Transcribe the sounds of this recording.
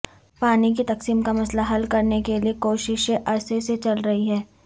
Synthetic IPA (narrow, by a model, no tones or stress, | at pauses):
paːnikit̪ɐqsiːmkamɐslaɦɐlkɐɾnekeliekoːʃɪʃeʔɐseset͡ʃɐlɾɐɦiɦɛː